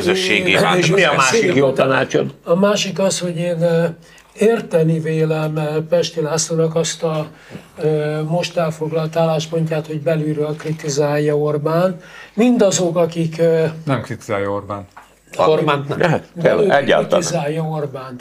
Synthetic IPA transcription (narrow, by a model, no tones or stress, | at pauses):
køzøːḛːɡiemiɒmaːʃikjoːt̪ɒna̰ːt͡ʃo̰nɒmaːʃikɒsho̞ɟeːn | eːrt̪ɛniveːlɛmpɛʃt̪ilaːslonɒkɒst̪ɒ | mo̞ʃt̪ɛlfo̞ɡlɒlt̪aːlːaːʃpo̞ɲcaːt̪ho̞ɟbɛlyɾøːlkrit̪izaːjːɒo̞rbaːnt̪mind̪ɒzo̞kɒkiknɛmkrit̪iza̰ːjorba̰ːnt̪ | orbaːnt̪ɛɦɛt̪bɛɛɟːa̰ːt̪tizaːjːɒo̞rbaːnt̪